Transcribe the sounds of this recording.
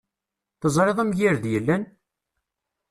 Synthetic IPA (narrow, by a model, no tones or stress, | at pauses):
θəzˤɾˤeðˤæmʝiɾðjəlːæn